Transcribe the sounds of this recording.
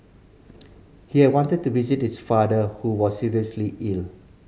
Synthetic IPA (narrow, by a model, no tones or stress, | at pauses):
hihɛd̚wɔ̃ntəd̚tuvizit̚hisfadəhuwɔsːiɹiəsliʔil